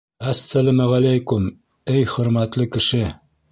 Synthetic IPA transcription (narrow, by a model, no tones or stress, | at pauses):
æsːælæmæʁælæjkum | ɘjχɵ̆ɾmæt̪lɘkɘ̆ʃɘ